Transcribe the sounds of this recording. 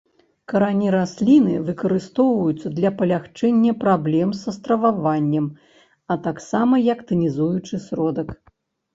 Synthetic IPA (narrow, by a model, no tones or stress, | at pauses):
kɐɾanʲiɾasʲlʲinɨvɨkɐɾɨst̪ɔwvɐjut̪sːɐd̪lʲɐpɐlʲaxt͡ʂɛnʲːɐpɾablʲɛmsɐst̪ɾɐvavanʲːɛm | ɐt̪aksamɐjɐkt̪ɨnʲizujut͡ʂɨsɾɔd̪ɐk